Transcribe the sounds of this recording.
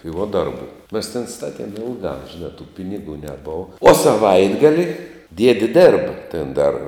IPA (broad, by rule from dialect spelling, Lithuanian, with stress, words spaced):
tɐɪ ʋuɔ ˈdɐrˌbʊ mʲɛs tʲeːn ˈstɑːtʲiɛm ˈɪlˠɡɑː ʒʲɪˈnɑː tuː ˈpʲɪnʲɪɡuː nʲɛˈboːʋɐ oː sɐˈʋɐɪdɡɐlʲɪ ˈdʲiɛdʲɪ ˈdʲeːrbɐ ˈtʲeːn ˈdɐr